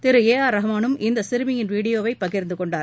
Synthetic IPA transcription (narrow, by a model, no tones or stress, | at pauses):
t̪ɪɾɯeːaːɾɐɦɐmaːnɯmɪnd̪ɐsɪɾɯmɪjɪnʋiːɽɪjoːʋɐɪpːɐɣɪɾnd̪ɯkɔɳɖaːɾ